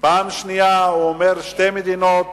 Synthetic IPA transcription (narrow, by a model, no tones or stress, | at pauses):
paːmʃnijaomeɾʃt̪emid̪inot̪